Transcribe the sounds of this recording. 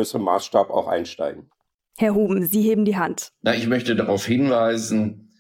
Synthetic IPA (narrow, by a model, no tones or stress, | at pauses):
øːsəəma̰ːsʃtaːbəa̰ʊxʔa̰ɪnʃta̰ɪɡŋ̩ | hɛɐɦuːbm̩ziːɦeːbm̩diːɦantnaɪçmœçtədaʁaʊfhɪnvaɪzn̩